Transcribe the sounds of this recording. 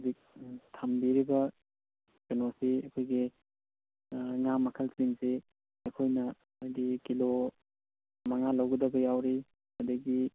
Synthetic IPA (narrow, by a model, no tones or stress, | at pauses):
dik̚tʰambiɾibɐ | kɐnosiɐkʰojɡi | ŋamːɐkʰɐlsiŋsi | ɐkʰojnɐː | jdikilo | mɐŋalɐwɡɐdɐbɐjawɾi | ɐdɐɡi